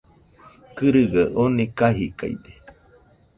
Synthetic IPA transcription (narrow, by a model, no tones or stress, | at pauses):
kɨɾɨɡaʔonikaɦika̰jd̪e